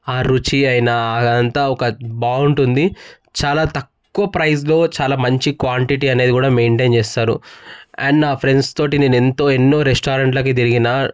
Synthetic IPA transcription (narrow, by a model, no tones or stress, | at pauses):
aːɾut͡ʃiɐjnɐɐnt̪aːɔkɐbaːuɳʈund̪i | t͡ʃaːlaːt̪ɐkːuʋɐpɾɐjs̬lo̞ːt͡ʃaːlaːmɐɲt͡ʃikʋaːɳʈiʈiɐne̞ːd̪ikuːɽaːme̞ːɳʈent͡ʃeːst̪aːɾṵɐːɳɖnaːpʰɾe̞ɳɖst̪o̞ːʈinenent̪o̞ːenːoːɾesʈaːɾɐɳʈlɐk̬it̪̬iɾiɡinɐ